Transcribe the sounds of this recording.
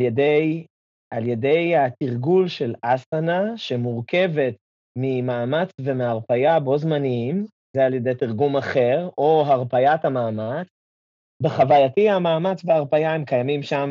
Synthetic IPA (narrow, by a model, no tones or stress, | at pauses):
ljedej | ʔalje̞de̞jhat̪iʁɡulʃe̞lasanaʃemuʁke̞ve̞t̪ | mimaːmat͡sve̞meaʁpajabo̞zmaniim | zealje̞dejtiʁɡumaχe̞ʁoɦaʁpajathamaːmat͡s | beχavajatiamaːmat͡sveaʁpajaemkajamimʃam